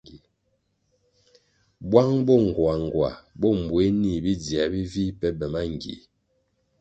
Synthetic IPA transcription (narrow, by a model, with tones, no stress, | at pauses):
i˨ | bwa˦ŋbɔ˦˨ŋ̩˨ɡwa˨ŋ˨ɡwa̰˨bɔ˦˨m˨bwe˨˦ni˦˨bi˦d͡zja˨bi˦vi˦pɛ˦bɛ˨ma˦ŋ˨ɡḭ˨